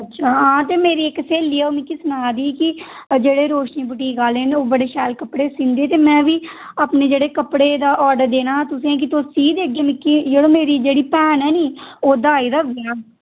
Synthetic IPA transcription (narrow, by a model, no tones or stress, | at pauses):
ətːʃʰaːɦãːt̪eːmeːɾiːɪkːseːlːiːɛːoːmɪkːiːsʊnaːd̪iːkɪ | d͡ʒeːɽeːɾoːʃniːbʊʈiːɡaːleːneoːbəɽeːʃɛːlkəpːɽeːsɪ̃nd̪eːt̪eːmɛ̃ːʋiː | aːpneːd͡ʒeːɽeːkəpɽeːd̪aːʔɔːɖəɾd̪eːnaːt̪ʊsĩːɛ̃k̬ɪt̪oːsiːd̪eəɡeːmɪkːiːd͡ʒeːɽõːmeːɾiːd͡ʒeːɽiːpɛːnɛːniːoːd̪aːiːd̪aːʋaː